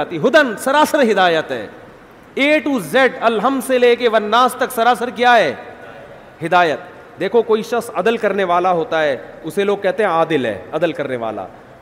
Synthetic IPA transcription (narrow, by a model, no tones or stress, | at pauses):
t̪iɦʊd̪ənsɐɾaːsəɾɦɪd̪aːjət̪ɦɛ̰ː | eːʈuːzɛɖɐlɦəmseleːkeʋɐɾnaːst̪ɐksɐɾaːsəɾkjaːɦɛː | ɦɪd̪aːjət̪̚ | d̪eːkʰokoːiʃɐksɐd̪əlkɐɾneʋaːlaɦoːt̪aɦɛːʊseloːɡ̚kɛɦt̪eɦɛ̃aːd̪ɪlɦɛ̰ːɐd̪əlkɐɾneʋa̰ːla̰ː